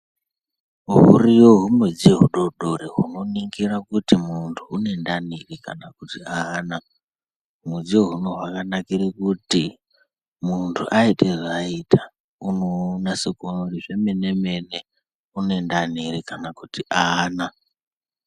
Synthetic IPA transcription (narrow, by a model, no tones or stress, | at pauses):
uɦṵrijoɦumwed͡zieɦuɗo̞ɗo̞ɾeɦuno̞niŋɡirakutimuntʰuːne̞ndanirikanakutiaːna | mud͡zioɦuno̞ɦwakanakiɾikuti | muntʰuʔaitʰeʐaitʰḁ | unonasekonoriʐe̞me̞ne̞me̞ne | unendaniɾikanakutiʔana